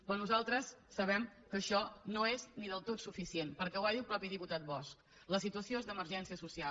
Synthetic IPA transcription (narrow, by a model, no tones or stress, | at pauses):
kanuzalˠt̪ɾəsːəβɛmkəʃɔnoezniðəlˠt̪ot̪sufisienpəɾkɛwaðilˠpɾɔpiðiput̪at̪̚bɔsk | ləsit̪uəsioezðəməɾʒɛnsiəsusial